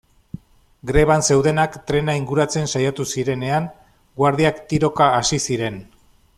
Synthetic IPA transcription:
ɡɾe̞β̞anse̞wðe̞nakt̪ɾe̞naiŋɡuɾat͡se̞nsajat̪usiɾe̞ne̞aŋ | ɡwaɾðiakt̪iɾo̞kaːsisiɾe̞n

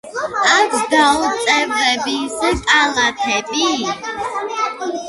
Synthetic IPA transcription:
akɡaɔt̪sʼɛvɾɛbisəkʼalat̪ʰɛbʼi

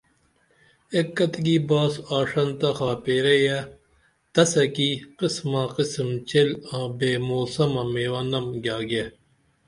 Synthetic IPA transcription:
ekːɐt̪ɡiːbaːsaːʂɐnt̪ɐxaːpeːɾeja | t̪ɐsɐkiqɪsmãːqɪsmt͡ɕelãːbeːmoːsɐmɐ̃meːwɐnɐmɡʲjaːɡe

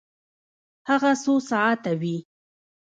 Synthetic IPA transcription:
haɣasosaat̪awi

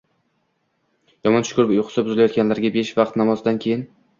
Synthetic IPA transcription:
jɒmɒnʃʊ̥kʰʊɾɪpʊjqʰʊ̥sabʊzɪlajɒt̪ɡʲanlaɾɡʲabeʃvɑqt̪namɒzd̪ankʲʰe̞jɪn

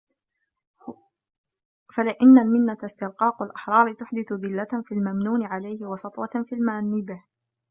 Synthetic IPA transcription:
falɪʔanːalmɪnːat̪ast̪ɪlqɑːqalʔaħɾˤɑːɾɪt̪ʊħd̪ɪθʊðɪlːat̪fiːlmamnuːnɪʕalajhɪwɑsɑt̪ˤwɑfiːlmanːɪbɪh

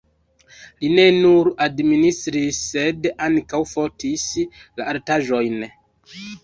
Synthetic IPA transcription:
line̞nuɾadministɾisːe̞daŋkawfo̞ɾtʰisla̰aɾtaʒo̞jn

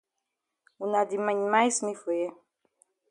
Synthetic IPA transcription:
unad̪imaɲimajsmifue

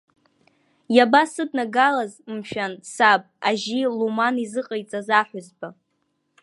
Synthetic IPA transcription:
jabasɨdnaɡalazmʃᶣansab̚ʼaʒilumanizɨqʼajt͡sʼazaħʷʊzba

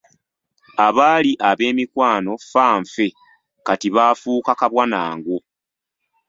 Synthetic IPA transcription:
aβaːliʔaβe̞ːmikwaːno̞faːɱfe̞ | katiβaːfuːkakaβwanaːŋɡo̞

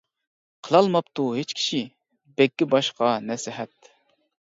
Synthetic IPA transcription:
qʰəlˠɑlˠmɑpt̪ʰuɦet͡ʃkʲʰi̥ʃi | bɛkʲːɪbɑʃqɑnɛsɪɦɛt̪̚

